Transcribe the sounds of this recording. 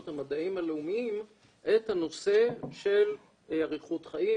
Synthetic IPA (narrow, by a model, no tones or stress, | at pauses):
t̪hamad̪aimhaleumiim | ʔethano̞se̞ʃe̞l | aʁiχut̪χaʔi